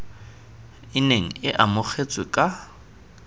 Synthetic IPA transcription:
ɪneŋ̩ɪʔamʊk͡xʰet͡sʼwɪkʼa

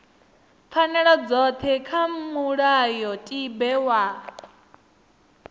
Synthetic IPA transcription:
pfʰanɛɺɔd͡zɔt̪ʰɛkʰammuɺajɔtʼibɛwa

